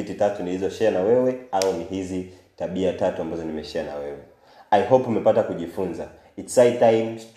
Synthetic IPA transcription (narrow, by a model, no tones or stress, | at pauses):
ititatunihizɔʃɛanawɛwɛauniɦizi | taɓiatatuambazɔnimɛʃɛana̰wɛwɛ | ajɦopumɛpatakuʄifunza | itsajtajms